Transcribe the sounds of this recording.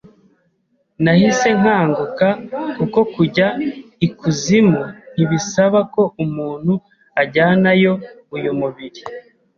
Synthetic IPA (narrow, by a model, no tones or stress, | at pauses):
nahise̞ŋ̥aːŋɡukakuko̞kuɟaikʰuzimun̥iβisaβako̞ʔumuːn̥hu | aɟaːnajo̞ | ujumuβiɾi